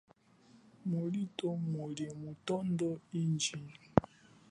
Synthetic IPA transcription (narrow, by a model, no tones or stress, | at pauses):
molitomolimutɔndɔind͡ʒi